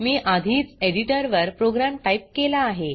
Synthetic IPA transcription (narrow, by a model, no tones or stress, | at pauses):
miːʔad̪ʱiːt͡seɽiʈəɾʋəɾpɾoɡɾamʈaip̚kelaːɦe